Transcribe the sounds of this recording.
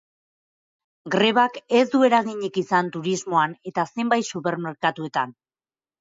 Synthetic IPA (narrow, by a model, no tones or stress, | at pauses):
ɡɾe̞β̞ake̞zd̪ue̞ɾaɣiɲikisant̪uɾizmo̞ane̞t̪ase̞mbajt̪supe̞ɾmeɾkat̪ue̞t̪an